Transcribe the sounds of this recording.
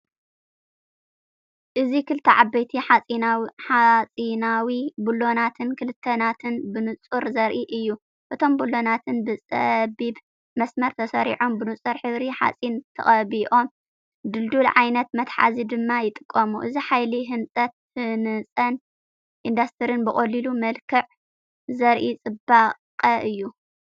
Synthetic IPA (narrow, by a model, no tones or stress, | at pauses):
ʔɨzikɨlt̪ʰːɐʕabːɐjt̪ʰiħaiħat͡sʼinawibulo̞nat̪ʰɨnkʰɨlɨt̪ʰːɐnat̪ʰɨnbɨnɨt͡sʼuɾzɐɾʔiʔɨjːu | ʔɨt̪ʰo̞mbulːo̞nat̪ʰɨnbɨt͡sʼɐbib | mɐsmɐɾt̪ʰɐsɐɾḭʕo̞mbɨnɨt͡sʼɨɾħɨβɾiħa̰t͡sʼint̪ʰɐ̰χʼɐβiʔo̞m | d̪ɨld̪ulʕajnɐt̪mɐt̪ħa̰zid̪ɨmːajɪt̪ʼɨkʼːɐmuʔɨziħajliɦɨnsʼɐt̪̚hɨnɨt͡sʼɐn | ʔind̪ast̪ʰɨɾɨnbɨχʼɐlilumɐlkʰɨʕ | zɐɾʔit͡sʼɨbaqʼɐʔɨjːu